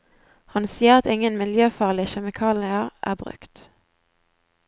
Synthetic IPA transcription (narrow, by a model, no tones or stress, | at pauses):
hɑnsiːəʁɑt̪ɪŋənmɪljøːfɑːʁlɪʃɛmɪkʰɑːlɪɑʔæ̰ːbʁʉ̰kt̪